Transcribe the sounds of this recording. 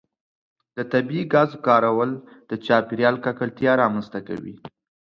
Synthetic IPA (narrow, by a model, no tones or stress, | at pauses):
d̪̥ət̪abiiɡɑzkɑɾawəld̪̥ət͡ʃɑpiɾjɑlkɑkəlt̪jɑɾɑmanst̪aka̰wḭ